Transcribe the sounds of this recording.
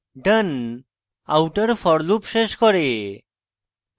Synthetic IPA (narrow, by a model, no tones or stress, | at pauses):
ɖən | a̰wʈəɾfɔɽlupʃeʃkɔɾe